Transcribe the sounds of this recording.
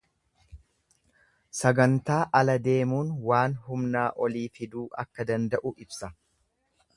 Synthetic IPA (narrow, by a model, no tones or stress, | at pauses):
sɐɡɐnt̪aːʔɐlɐd̪e̞ːmuːnwaːnɦʊmnaːʔɔliːfɪd̪uːʔɐkːɐd̪ɐnd̪ɐʔʊʔɪbsɐ